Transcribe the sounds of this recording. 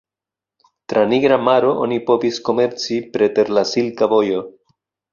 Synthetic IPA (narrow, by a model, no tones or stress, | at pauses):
tɾaniɡɾamaɾo̞ʔo̰nipo̞visko̞me̞ɾt͡sipɾe̞te̞ɾlasilkavo̞jo̞